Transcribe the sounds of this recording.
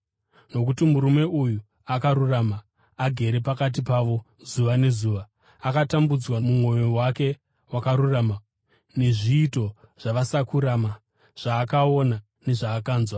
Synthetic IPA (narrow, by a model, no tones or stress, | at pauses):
no̞k̬utimuɾume̞uju | akaɾuramaː | ɡʱe̞ɾe̞pakat̬ipaʋo̞ | zuʋane̞zuːʋa | akatambud͡zwamumwo̞jowake̞ | wakaɾurama | ne̞ʐiːto̞ | ʐ̥aʋasakuɾaːma | ʐ̥aːkao̞na | ne̞ʐaːkaːnzwa